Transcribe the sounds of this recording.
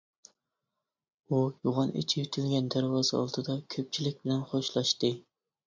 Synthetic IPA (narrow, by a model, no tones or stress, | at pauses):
ujuʁɑnʔḭt͡ʃʰijyt̪ʰylɡʲɛnd̪æɾwɑːzɨɑ̰lˠd̪ʰɨd̪ɑkʲʰøp̚t͡ʃʰilɪk̚ʲbɪlɛnχoʃlˠɑʃt̪ɨ